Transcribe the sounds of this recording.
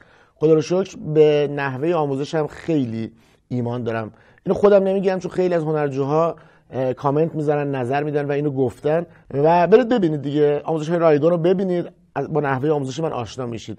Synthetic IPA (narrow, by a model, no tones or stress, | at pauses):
xod̪ɒːɾoʃocʰbenæɦve̞jeɒːmuːze̞ʃæmxejliː | iːmɒːnd̪ɒːɾæm | ʔiːnoxod̪æmne̞miːɟiɾæmt͡ʃʰo̞nxe̞jliæzɦo̞næɾd͡ʒuːɦɒː | kʰɒːme̞nt̪miːzæɾænːnæzæɾmiːd̪ænvæiːnɾoɡoft̪æn | væbe̞ɾid̪̚be̞biːniːd̪̚ːiɟeɒːmuzeʃɒːjeɾɒːjd̪oːɾobe̞biːniːd̪ | bɒːnæhve̞jeɒːmuːze̞ʃ̬emænʔɒ̰ːʃnɒːmiʃiːd̪̥